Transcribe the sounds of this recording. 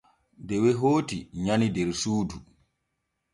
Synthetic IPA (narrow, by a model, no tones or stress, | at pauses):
dɛwɛɦoːtiɲanidɛɾsuːdu